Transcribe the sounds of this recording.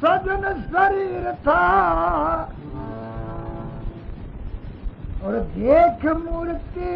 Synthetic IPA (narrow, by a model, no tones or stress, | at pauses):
sɐd͡ʒɐnsɐɾiːɾt̪ʰa | ɔːɾd̪eːkʰmuɾt̪i